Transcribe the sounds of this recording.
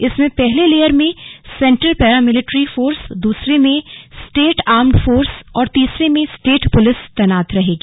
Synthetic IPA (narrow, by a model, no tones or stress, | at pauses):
ɪsmẽpɛɦleleːjəɾmẽsɛ̃ɳʈɾəlpɛːɾamɪlɪʈɾifoːɾsd̪uːsɾemẽsʈeːʈaːɾmɖfoːɾsɔːɾt̪iːsɾemẽsʈeːʈpʊlɪst̪ɛnaːt̪ɾɐɦeːɡiː